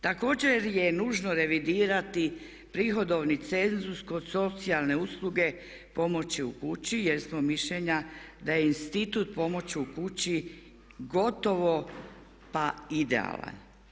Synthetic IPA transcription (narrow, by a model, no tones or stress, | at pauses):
t̪ako̞ːd͡ʑe̞ɾje̞nuːʒnoɾe̞ʋid̪iːɾat̪i | pɾixo̞d̪o̞ʋnit̪se̞nzusko̞d̪so̞t̪sialne̞uslˠuɡe̞ | po̞mo̞t͡ɕiukut͡ɕijeɾsmomiʃʎeɲad̪ajeinst̪it̪ut̪̚po̞mo̞t͡ɕiukut͡ɕi | ɡo̞t̪o̞ʋo̞ | paid̪ḛa̰lˠa̰n